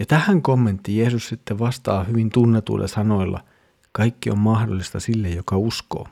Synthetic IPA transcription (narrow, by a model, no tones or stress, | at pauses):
jɑt̪æhæŋkomːent̪ːijeːsussit̪ːeʋɑst̪ɑːhyʋint̪unːet̪ṵilːʔɑ̰sɑno̞ilːɑ̰ | kɑikːiommɑhdolːˑist̪ɑsilːejokɑusko̰ː